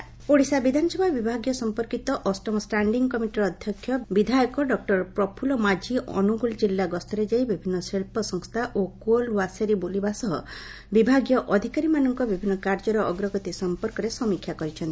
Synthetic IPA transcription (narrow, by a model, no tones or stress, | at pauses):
poɽisabid̪ʱanɔsɔbʱabibʱaɡjɔsɔmpɔɾkit̪ɔʔɔsʈɔmɔsʈaɳɖiŋɡkɔmiʈiɾɔd̪ʱjɔkʰjɔbid̪ʱajɔkɔɖɔk̚ʈɔɾpɾɔpʰulɔmad͡ʒiʔɔ̰nuɡuld͡ʒilːaɡɔst̪ʰɔɾed͡ʒajbibʱinːɔseɭpɔsɔŋst̪ʰaʔokuolwasaɾibulibasɔɦɔ̰ | bibʱaɡjɔʔɔd̪ʱikaɾimanɔŋkɔbibʱinːɔkaɾd͡ʒɔɾɔʔɔɡɾɔɡɔt̪isɔmpɔɾkɔɾesɔmikʰjakɔɾit͡ʃʰɔnt̪i